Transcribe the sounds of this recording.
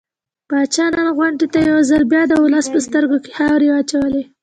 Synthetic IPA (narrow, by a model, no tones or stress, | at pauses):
b̥ɑt͡ʃɑnanɣwaɳɖet̪ajawzalbjɑd̪əʊləspəst̪əɾɡoke̥hawɾewat͡ʃawəle